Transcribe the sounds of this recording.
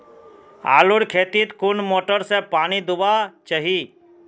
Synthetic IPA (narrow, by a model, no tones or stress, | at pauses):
a̰ːlʊɽkʰeːt̪it̪kʊnmoːʈəɾsepaːnid̪ʊbat͡ʃəɦi